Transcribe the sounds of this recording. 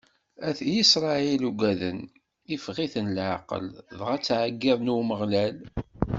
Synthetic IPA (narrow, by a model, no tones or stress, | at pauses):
æθjisɾˤɑiluɡʷæðən | ifʁiθənlʕaqə̰lðʁæt͡sːʕaɡːɪðˤnuməʁlæl